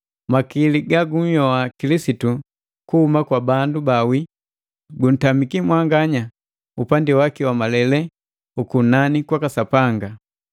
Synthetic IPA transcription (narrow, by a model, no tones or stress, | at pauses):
makiliɡaɡum̩jɔakilisitu | kuhumakwabandubawi | ɡun̩tamikimwaŋɡaɲa | upandiwakiwamalɛlɛ | ukunanikwakasapaŋɡa